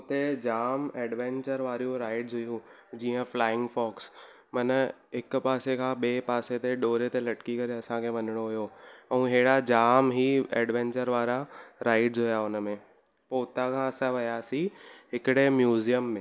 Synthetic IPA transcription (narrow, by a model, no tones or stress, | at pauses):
t̪ed͡ʑaːmeːɖʋẽːɲt͡ɕəɾʋaːɾijũɾaːɪʈzɦʊjũ | d͡ʑiːə̃flaːɪ̃ŋɡfɔːks | mɐnə | ɪkpaːsekʰãːɓeːpaːset̪eɗoːɾet̪elɐʈkikɐɾeɐsãkʰeʋɐɲɪɽ̃oɦʊjoɛ̃ɦeːɽad͡ʑaːmɦiːɛ̰ːɖʋɛ̃ːɲt͡ɕəɾʋaːɾaɾaːɪɖzɦʊjaʊnə̆mẽ | poːt̪akʰãɐsãʋɐjasiɦɪkɪɽemjuːzijəmːẽ